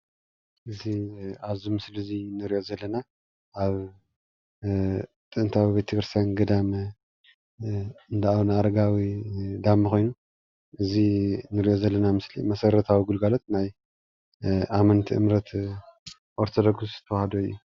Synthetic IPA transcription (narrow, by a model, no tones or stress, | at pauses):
ʔɨziaβzumɨslɨzinɨɾiʔo̞zɐlːɐna | ʔaβ | t̪ʼɨɨnt̪ʰawibet̪ʰɐkɨɾsanɡɐd̪amɐ | ɨnd̪aawnaaɾɐɡawid̪amːɨkʰo̞jnu | ʔɨzinɨɾiʔo̞zɐlːɐnamɨslimɐsɐɾɐt̪ʰawiɡulɡalo̞t̪naj | ʔamɐnt̪ʰiʔɨ̰mɾɐt̪ | ʔoɾt̪ʰod̪oɡuszɨt̪ʰɐwahɐd̪oɨjːu